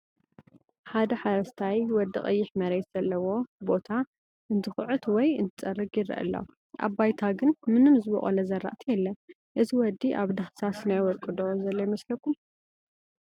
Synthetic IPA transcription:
ħad̪ɐħaɾɐst̪ʰajwɔd̪ːɨχʼɐ̰jːɪħmɐɾet̪z̥ɐlːɐwo̞bo̞t̪ʰa | ʔɨnt̪ʰɨxʕut̪wɔjɨ̰nt̪ʰɨt͡sʼɐrːɨɡjɪɾɐ̰ʔɨ̰lːo̰ | ʔa̰bajt̪ʰaɡɨnmɨnɨmzɨbɐ̰χʼɔ̰lɐzɐrːa̰ʔt̪ʰijɛlːɐ | ʔɨziwɔd̪ːiʔa̰βd̪axsasnajwɔɾkʼɨd̪ozɐlːɐjɪmɐslɐkʰːum

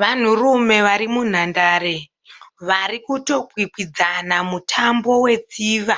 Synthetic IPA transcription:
ʋan̤urume̞ʋaɾimun̤andaːɾe | ʋarikuto̞kwikid͡zanamutʰambo̞we̞d͡ziːʋa

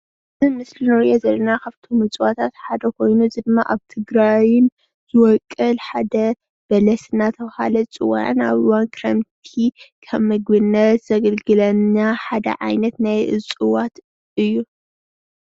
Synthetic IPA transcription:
ɨzɨmɨslinɨɾiʔozɐlːɐnakʰaβt̪ʰomɨt͡sʼwat̪ʰat̪ħad̪ɐkʰo̞jnuzɨd̪ɨmːaʔaβt̪ʰɨɡɾajn | z̥ɨwɔkʼːɨlħad̪ɐ | b̥ɐlɐsɨnːat̪ʰɐβha̰lɐt͡sʼɨwa̰ʔna̰βɨwankʰɾɐ̰mt̪ʰikʰɐβmɨɡbɨnːɐt̪z̥ɐɡɐlɡɨlɐnaħad̪ɐ̰ʕa̰jnɐt̪najʔɨ̰t͡sʼɨwat̪ | ɨjːu

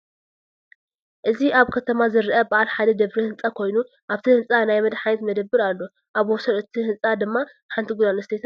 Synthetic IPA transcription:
ʔɨziʔaβkʰɐt̪ʰɐmazɨɾʔɐbaʔalħad̪ɐd̪ɐβɾihɨnt͡sʼakʰo̞jnu | ʔaβt̪ʰihɨnt͡sʼanajmɐd̪ħajet̪mɐd̪ɐbːɨɾalːo̞ | ʔaβwosɐɾɨt̪ʰihɨnt͡sʼad̪ɨmːa | ħant̪ʰiɡʷud̪anɐst̪ʰet̪ʰa

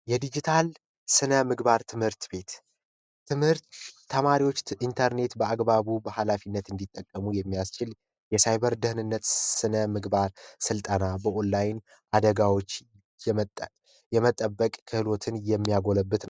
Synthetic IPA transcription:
jɛd̪id͡ʒit̪ʰal | sɨnəmɨɡbaɾt̪ʰɨmhɨɾt̪be̞t̪ː | ɨmhɨɾt̪ːʰ | əmaɾiwo̞t͡ʃːʔint̪ʰəɾne̞t̪bəaɡbaβubəhalafinːət̪ɨnd̪it̪ʼːəkʼːəmujɛmːijast͡ʃɪl | jɛsajβəɾd̪ɨhnɨnːət̪sɨnəmɨɡbaɾsɨlt̪ʼənabəʔolːajn | ʔad̪əɡawo̞t͡ʃː | jɛmət̪ʼːəbːəkʼkʰɨhɨlo̞t̪ʰɨnjɛmːijaɡo̞ləbːɨt̪n

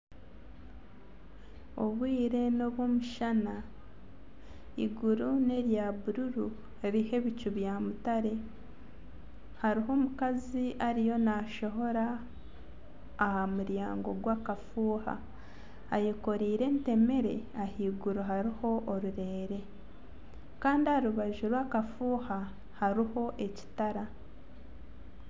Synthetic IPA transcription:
o̞̰βwiːɾe̞no̞βoːmuʃana | iɡuɾune̞ɾjaβuɾuɾu | ɾihe̞βicuβjamutaɾe̞ | haɾiɦo̞ːmukaziʔaɾijo̞naʃo̞ɦo̞ɾa | hamuɾjaːŋɡo̞̰ɡwaːkafuːha̰ː | jeko̞ɾiːɾe̞ːnte̞me̞ɾe̞̰ | ahiːɡuɾoɦaɾiho̞ʔːɾuɾe̞ːɾe̞ | kaːndiaɾuβaʒuɾwaːkafuːha | haɾiho̞ʔe̞ci̥taɾa

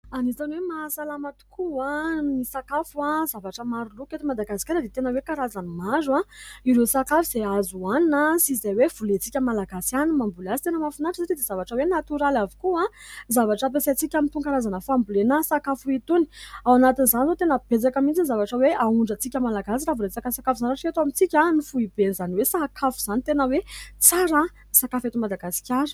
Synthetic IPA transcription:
anizanwemasalamat̪u̥kʰuanisakafuazavaʈ͡ʂəmaɾuluket̪imad̪aɡasi̥kʲaɾəd̪et̪enəwekaɾazanimazuaiɾesakafuz̥eazuaninəsizawev̥ulet͡sikʲəmalaɡasianimambulazi̥t̪enəmafunaʈ͡ʂəsaʈ͡ʂid̪ez̥avaʈ͡ʂəwenat̪uɾalavi̥kua | zavaʈ͡ʂəp̬esat͡sikʲamint̪uŋɡaɾazanəfambulenasakafuit̪uni̥awanat̪inizanzot̪enəb̥et͡sakamint͡sinzavaʈ͡ʂəweʔauɳɖ͡ʐət͡sikʲəmalaɡasiɾavuɾesakasakafuzanɾaʈ͡ʂet̪amit͡sikʲanifuib̥enzaniwesakʰafuz̥anit̪enəwet͡saɾə | sakafet̪umad̪aɡasi̥kʲaɾu̥

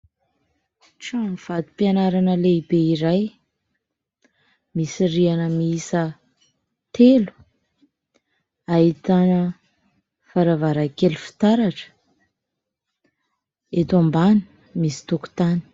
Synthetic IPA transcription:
ʈ͡ʂamiv̥ad̪u̥pianaɾanəleibeiɾaj | misirianəmiiisə | t̪elu̥ | ait̪anə | faɾavaɾakelufi̥t̪aɾaʈ͡ʂə̥ | et̪ambani̥ | misi̥t̪uku̥t̪ani̥

